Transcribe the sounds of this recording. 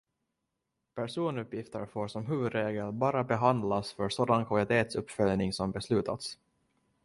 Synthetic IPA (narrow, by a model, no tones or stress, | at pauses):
pʰæʂuːnɵpjɪft̪əɾfoːɾʂɔmɦʉ̟ːvɵd̪ɾeːɡəlbɑːɾabɛɦand̪lasfœɾsoːd̪ankʰvalɪt̪ʰeːt̪sɵpːfœljnɪŋsɔmbɛslʉ̟ːt̪ʰa̰t̪s